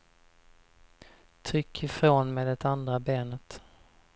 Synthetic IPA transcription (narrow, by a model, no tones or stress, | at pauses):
t̪ʰɾʏkʰːɪfɾoːnmeːd̪ɛt̪and̪ɾabeːnət̪